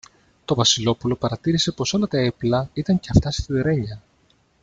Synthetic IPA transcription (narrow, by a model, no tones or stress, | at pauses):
t̪o̞vɐsilo̞pulo̞pɐɾɐt̪iɾise̞po̞so̞lɐt̪ɐeplɐit̪ɐɲceɐft̪ɐst̪iðiɾe̞ɲɐ